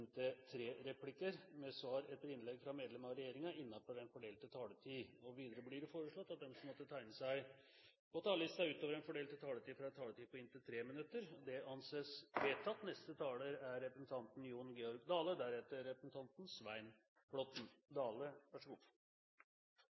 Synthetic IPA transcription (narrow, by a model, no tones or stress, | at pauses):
nt̪ət̪ʰɾeːɾɛpʰlɪkəɾmɛsʋɑːɾɛt̪ːəɾɪnlɛɡfɾɑmeːd̪lɛmɑʋɾɛjeːɾɪŋɑɪnːɑfɔɾɛnfɔɖeːlt̪ət̪ʰɑːlət̪ʰiːɔʋiːd̪əɾəblɪɾfoːɾəʂɭɔt̪ːɑt̪̚d̪ɛmsɔmɔt̪ːət̪ʰæɪnəsæɪ | pɔt̪ʰɑːllɪst̪ɑʉːt̪oːʋəɾɛnfɔɖeːlt̪ət̪ʰɑːlət̪iːfɾɑt̪ʰɑːlət̪iːpɔɪnt̪ət̪ʰɾeːmɪnʉt̪ːəɾɔd̪ɛɑnseːsʋeːt̪ʰːɑt̪nɛst̪ət̪ʰɑːləɾæɾːɛpɾəsn̩t̪ʰɑnt̪njuːnɡɛɔɾɡd̪ɑːləd̪æɾɛt̪əːɛpɾəsn̩t̪ʰɑnt̪n̩sʋæɪn | blɔt̪n̩d̪ɑːləʋæʂəɡuː